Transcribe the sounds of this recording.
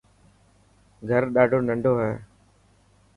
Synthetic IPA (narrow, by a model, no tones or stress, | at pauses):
ɡʱəɾɗaːɖʱoːnəɳɖʱoːɦɛː